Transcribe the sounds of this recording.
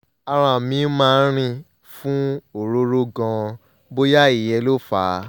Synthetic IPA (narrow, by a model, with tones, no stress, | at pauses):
a˧ɾ̃ã˧˨mĩ˧˦mãː˦˧˦ɾ̃ĩ˧ | fũ˦o˨ɾo˦ɾo˦ɡɔ̃˧ | bo˦ja˦i˨jɛ˧˦lo˦˨fa̰˨˦